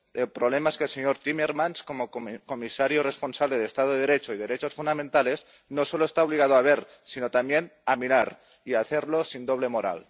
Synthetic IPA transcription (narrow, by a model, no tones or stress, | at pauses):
elpɾoβle̞maeskelseɲo̞ɾt̪imeɾmanskomoko̞misaɾjore̞sponsaβle̞ð̞est̪að̞oðe̞ðeɾe̞t͡ʃoiðe̞ɾet͡ʃo̞sfund̪amẽnt̪ale̞z | noso̞loest̪aoβ̞liɣ̞að̞oaβ̞e̞ɾ | sino̞t̪amje̞namiɾaɾ | iaθe̞ɾlo̞sind̪o̞β̞le̞moɾa̰l